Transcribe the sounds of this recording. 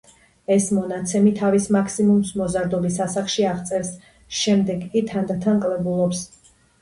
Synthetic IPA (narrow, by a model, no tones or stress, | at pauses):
ɛsmɔnat̪sʰɛmit̪ʰavismakʰsimumsmɔzaɾd̪ɔbisasaχʃiaʁt̪sʼɛɾs | ʃɛmd̪ɛɡʼit̪ʰand̪at̪ʰankʼlɛbulˠɔps